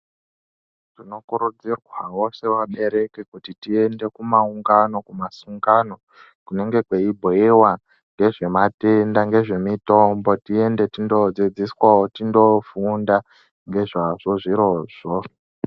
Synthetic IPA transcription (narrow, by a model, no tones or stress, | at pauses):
tino̞kuɾud͡zirwawo̞se̞waɓe̞ɾe̞kekutitie̞nde̞kumauŋɡano̞kumasuŋɡano̞ | kune̞ŋɡe̞kwe̞ibʱoewa | ŋɡe̞ʐe̞matendaŋɡe̞ʐe̞mito̞mbo̞tie̞nde̞tindo̞d͡zid͡ziswaotindo̞funda | ŋɡe̞ʐaʐ̥o̞ʐiɾo̞ːʐ̥o